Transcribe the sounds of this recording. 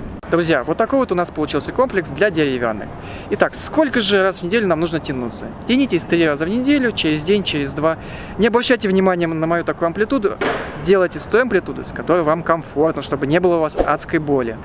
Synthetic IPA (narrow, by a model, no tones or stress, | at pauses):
d̪ɾʊzʲjavo̞t̪ːɐkovvot̪ʊnaspəlˠʊt͡ɕilˠsʲəko̞mplʲɪksd̪lʲadʲɪɾʲɪvʲa̰nːɨ̰k | ɪt̪aksko̞lʲkəʐɨrasvnʲɪdʲelʲʊnamnuʐnətʲɪnut̪sətʲɪnʲitʲɪsʲt̪ɾʲiɾazəvnʲɪdʲelʲʊt͡ɕɪɾʲɪzʲdʲenʲt͡ɕɪɾʲɪzʲd̪va | nʲɪɐbɾɐɕːæjtʲɪvnʲɪmanʲɪjənəmɐjut̪ɐkujʊɐmplʲɪt̪ud̪ʊdʲe̞lˠəjtʲɪst̪ojɐmplʲɪt̪ud̪ʊ̰skɐt̪o̞ɾɨjvamkɐmfo̞rt̪nəʂt̪o̞bɨnʲe̞bɨlˠəʊvasa̰t̪skəjbo̞lʲɪ̰